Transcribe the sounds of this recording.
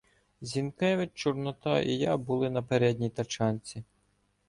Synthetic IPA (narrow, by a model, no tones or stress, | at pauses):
zʲinkɛʋɪt͡ʃɔrnɔt̪ɑḭjɑbʊlˠɪnɐpeɾɛdʲnʲijt̪ɐt͡ʃɑnʲt͡sʲi